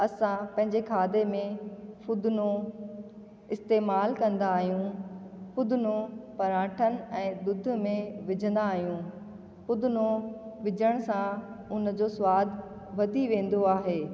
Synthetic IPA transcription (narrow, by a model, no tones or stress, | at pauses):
ɐsãpɐ̃ɦɪ̃ɲd͡ʑekʰaːd̪emẽfʊd̪no | ɪst̪eːmaːlkɐ̃nd̪aːɦijũfʊd̪ʊnopɐɾãːʈʰənɪ̆ɛ̃ːd̪ʊd̪̆ʱmẽʋɪd͡ʑʱə̃nd̪aːɦijũ | fʊd̪ʊnoʋɪd͡ʑʱəɽ̃sãʊnə̆d͡ʑosʊwaːd̪ʱ | ʋɐd̪ʱiʋẽːn̆d̪oaːɦeː